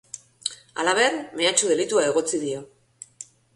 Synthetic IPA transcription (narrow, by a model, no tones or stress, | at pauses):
a̰laβ̞e̞rme̞at͡ʃuðe̞lit̪uae̞ɣ̞o̞t͡siðio